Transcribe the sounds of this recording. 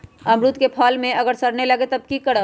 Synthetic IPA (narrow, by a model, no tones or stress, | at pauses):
ɐ̃mɾut̪kepʰaːlmẽɐɡəɾsɐɾnelɐɡet̪ɐb̚kikɐɽa